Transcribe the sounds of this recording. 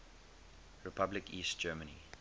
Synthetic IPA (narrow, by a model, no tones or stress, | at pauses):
ɹɛpʰablɪkiːst̚d͡ʒ̥ɜːmənḭ